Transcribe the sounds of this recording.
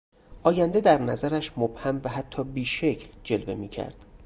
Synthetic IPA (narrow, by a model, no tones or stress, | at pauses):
ʔɒːjænd̪ed̪æɾnæzæɾæʃmob̥hæmvæɦæt̪ʰːɒːbiːʃe̞cʰld͡ʒe̞lve̞miːcʰæ̰ɾd̪̥